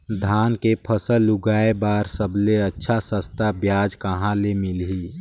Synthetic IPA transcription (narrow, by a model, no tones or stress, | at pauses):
d̪ʱaːnkepʰəsəlːʊɡaːebaːɾsəbleɐtːʃʰasəst̪ʰabjaːd͡ʒkɐɦãlemɪlɦiː